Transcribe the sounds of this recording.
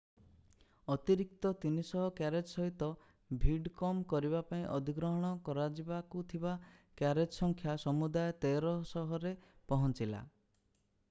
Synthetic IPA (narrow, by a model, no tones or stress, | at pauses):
ɔt̪iɾik̚t̪ɔt̪inisɔɦɔkjaɾed͡ʒsɔɦit̪ɔ | bʱiɖkɔmkɔɾibapaĩʔɔd̪ʱiɡɾɔɦɔɽ̃ɔkɔɾad͡ʒibakut̪ʰibakjaɾed͡ʒsɔŋkʰjasɔmud̪ajɔt̪eɾɔsɔɦɔɾepɔɦɔnt͡ʃila̰